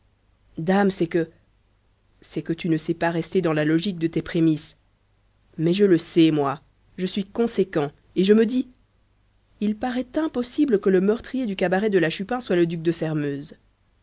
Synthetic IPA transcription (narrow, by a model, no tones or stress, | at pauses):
d̪amsɛkə | sɛkət̪ynəsɛpaʁɛst̪ed̪ɑ̃lalɔʒik̚d̪ət̪epχemis | mɛʒələsɛmwa | ʒəsɥikɔ̃sekɑ̃ | eʒəməd̪i | ilpaʁɛt̪ɛ̃pɔsibləkələmœʁt̪χijed̪ykabaʁɛd̪əlaʃypɛ̃swaləd̪yk̚d̪əsɛʁmøːz